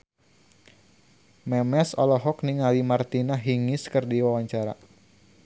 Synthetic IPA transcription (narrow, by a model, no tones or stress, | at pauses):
mɛmɛsɔlɔɦɔkniŋalimart̪inaɦiŋɪskɨrdiwawaɲt͡ʃaɾa̰